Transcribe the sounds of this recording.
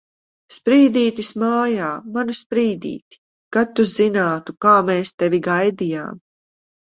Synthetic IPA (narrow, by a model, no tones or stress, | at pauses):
spɾiːd̪iːt̪ismaːjaːmanuspɾiːd̪ḭːt̪i̥ | kat̪ːuzinaːt̪ukaːmeːst̪ɛvʲiɡajd̪ija̰ːm